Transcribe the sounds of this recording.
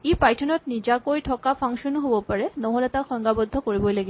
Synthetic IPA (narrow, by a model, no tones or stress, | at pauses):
epajtʰɔnɔtnizakojtʰɔkapʰɔŋʃɔnuɦobɔpaɹɛnɔɦolɛtaxɔŋɡabɔd̪ʱːɔkoɹibɔjlaɡi